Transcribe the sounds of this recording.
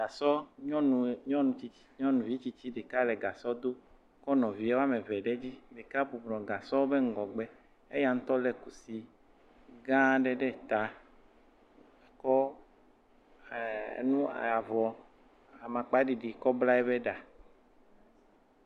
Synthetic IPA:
ɡa˨sɔ˦ɲɔ̃˦nũ˨ɲɔ̃˦nũ˨t͡ɕi˦i̥˦ɲɔ̃˦nũ˨vi˦t͡ɕi˦t͡ɕi˦ɖe˨ka˦lɛ˨ɡa˨sɔ˦d̪o˦ | kɔ˦nɔ̃˨vi˨˦e˦wa˦me˨vɛ˨ɖe˦d͡ʑi˦ɖe˨ka˦bu˨blɔ̃˨ɡa˨sɔ˦o˦be˦ŋ̩˦ɡɔ˨ɡ͡bɛ˦ | e˦ja˨ŋ̩̃˦t̪ɔ˦lɛ˨ku˨si˦ | ɡã˦ɖɛ˦ɖɛ˦˨t̪a˨ | kɔ˦˨ | nũ˦a˨vɔ˨ | a˨mã˨k͡pa˨˦ɖi˨ɖi˨kɔ˦bla˦ɛ˦be˦ɖa˨

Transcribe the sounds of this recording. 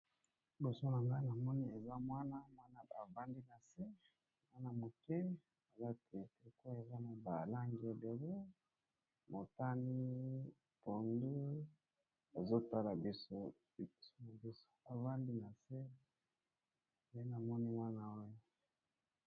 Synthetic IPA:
bo˨so˦na˨ŋɡa˦na˨mɔ˦ni˦e˨za˦mwa˦na˦mwa˦na˦a˨va˦ndi˦na˨se˦ | mwa˦na˦mo˨kɛ˦ | a˨za˦te˨te˨ko˦e˨za˦na˨ba˨la˦ŋɡi˨e˨be˨le˦ | mo˨ta˦ni˦ | po˨ndu˦ | a˨zo˦ta˦la˨bi˦so˦˨˦ | na˨bi˦so̥˨a˨va˦ndi˦na˨se˦˨ | e˦na˨mɔ˦ni˦mwa˦na˦o˦j

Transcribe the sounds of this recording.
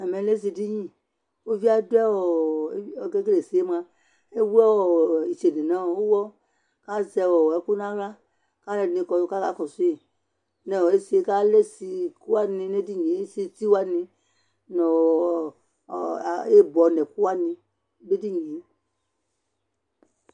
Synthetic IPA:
a˨mɛ̃˨˦le˦s̬i˧˨di˦ɲĩ˦ | o˦vi˦a˦du˦ɛ˦wɔ˨˦˨ | ɡe˦ɡe˦le˨si˨e˦mã˧ | e˦wu˦ɛ˦˨i˨t͡ʃe˨ni˨nã˨˦˨o˦wɔ˦ | ka˦zɛ˧wɔ˨ɛ˨˦ku˦nã˦la˦ | ka˦lɛ˦˨nĩ˧˨kɔ˧ka˦ka˦kɔ˨su˦i˨ | nɛ˨ɔ˨e˦si˨˦e˦ka˦le˦si˧ku˦a˦nĩ˧ne˦di˦˨ɲi˨˦e˦si˦ti˦wa˦nĩ˧ | nɔ˨ | e˦˨bɔ˨nɛ̃˨ku˦a˦nĩ˧˦ | be˦di˦ɲĩ˨˦

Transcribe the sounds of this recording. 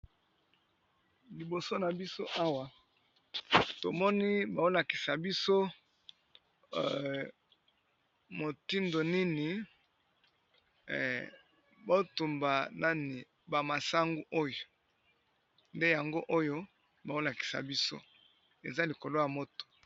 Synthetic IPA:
li˨bo˨so˦na˨bi˦so˦ʔa˦wa˨ | to˨mɔ˦ni˦ba˨o˦la˨ki̥˨sa˨bi˦so˦ | mo˨ti˦ndo˨ni˦ni˨ | ba˦o˦tu˨mba˨na˦ni˨ | ba˨ma˨sa˦ŋɡu˦ʔo˦jo˨ | nde˦ja˨ŋɡo˦ʔo˦jo˦ | ba˨o˦la˨ki̥˨sa̰˨bi˦so̰˦ | e˨za˦li˨ko˨lo˦ja˨mo˦to̥˨

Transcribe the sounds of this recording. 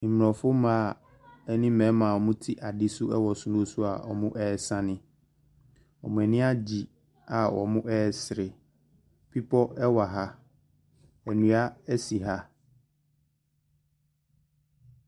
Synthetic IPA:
m˨ɔ̃˨fʊ˦mã˨ | ɛ˦nɪ̃˦mɛ̃˨˦mã˨ɔ˨mʊ̃˦tʰi˦ʔa˨dɪ˦sʊ˦ɛ˦wɔ˨sʊ˨nʊ̃˦sʊ˦a˨ɔ̰˨mʊ̃˦ʔɛː˦sã˦nɪ̃˦ | ɔ̰˨mʊ̃˨ɛ˨nɪ̃˦a˦d͡ʑi˨ | a˨wɔ˨mʊ̃˦ʔɛː˦sɾɪ˨ | pʰi˦pʰɔ˦ɛ˦wa˨ɦa˦ | ɛ˨nũ˨a˦ɛ˦si˨ɦa˦

